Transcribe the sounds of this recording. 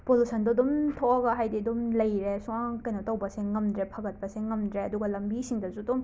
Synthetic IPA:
polusʰɐndɐdumtʰoɐɡɐɦajdiɐdumlɐjɾesuŋaŋkɐjnɐtɐwbɐseŋɐmdɾepʰɐɡɐt̚pɐseŋɐmdɾeɐduɡɐlɐmbisiŋdɐsudum

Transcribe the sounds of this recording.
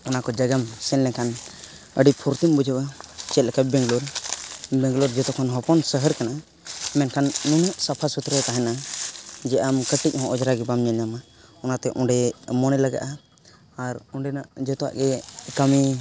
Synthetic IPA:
ɔnakɔd͡ʒəɡamsɛllɛkʰan | əɖipʰɔɾt̪imbud͡ʒʱəbat͡ʃɛt̪̚lɛkabɛ̃ŋɡlɔɾ | bɛ̃ŋɡlɔɾd͡ʒɔt̪ɔkʰanɦɔpɔnsəɦəɾkana | mɛnkʰanːuɲuʔsapʰasut̪ɾɛt̪aɦɛna | d͡ʒɛamkəʈic̚ˀhɔ̃ʔɔd͡ʒɾaɡɛbamɲaɲama | ɔnat̪ɛʔɔ̃ɖɛmɔnɛlaɡa̰ʔaː | ɾɔɖɛnaʔd͡ʒɔt̪ɔa̰ʔɡɛkami

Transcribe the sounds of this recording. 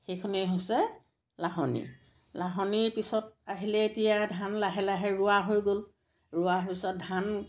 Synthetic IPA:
xejkʰɔnɛɦojsɛ | laɦɔnḭ | laɦɔniɹpisɔt̚aɦilɛetijadʱanlaɦɛlaɦɛɹʊwaɦojɡol | ɹʊaɦpisɔt̚dʱan

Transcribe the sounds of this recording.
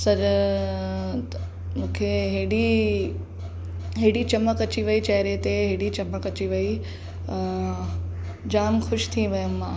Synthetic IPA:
sɐɾ | mũːkʰeɦeːɽi | ɦeːɽit͡ɕɐməkɐt͡ɕiʋɐit͡ɕɐɦɪɾet̪eɦeːɽit͡ɕɐməkɐt͡ɕiʋɐi | d͡ʑaːmxʊʃt̪ʰiʋɐjəmːãː

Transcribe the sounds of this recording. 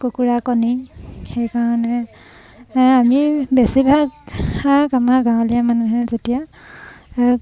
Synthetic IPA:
kokuɹakɔnixejkaɹɔnɛ | amibesibʱaɡhaɡamaɡãwlijamanuɦɛzetija

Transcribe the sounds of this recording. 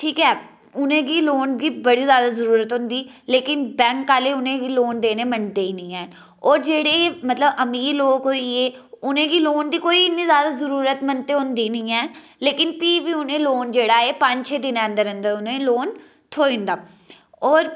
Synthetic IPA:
ʈʰiːkɛː | ʊnẽːɡiːloːnɡiːbəɽiːzjaːd̪aːzəɾuːɾət̪ɦʊ̃nd̪iːleːkɪnbɛ̃ːŋkːaːleːʊnẽːɡiːloːnd̪eːneːmənt̪eːiːnĩːɛː | ɔːɾd͡ʒeːɽeːmət̪ləbəmiːɾloːkɦoːiːeːʊnẽːɡiːloːnd̪iːkoːiːɪnːĩːzjaːd̪aːzəɾuːɾət̪mənt̪eːɦʊ̃nd̪iːnĩːɛː | leːkɪnpiːʋiːʊnẽːloːnd͡ʒeːɽaːeːpəɲd͡ʒt͡ʃʰeːd̪ɪnɛ̃ə̃nd̪əɾə̃nd̪əʊnẽloːn | t̪ʰoːɪ̃nd̪aː | ɔːɾ

